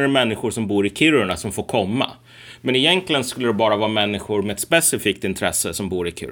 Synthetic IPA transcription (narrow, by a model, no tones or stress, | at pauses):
mɛnːɪɧʊʂɔmbuːɾɪkʰʏɾʊɳasɔmfoːɾkʰɔmːa̰ | mɛnɪjɛnklɪɡənskɵlːəd̪ɛbɑːɾavɑːmɛnːɪɧʊɾmɛɛt̪spɛsɪfiːk̚t̪ɪnt̪ʰɾɛsːəsɔmbuːɾɪkʰɪ̰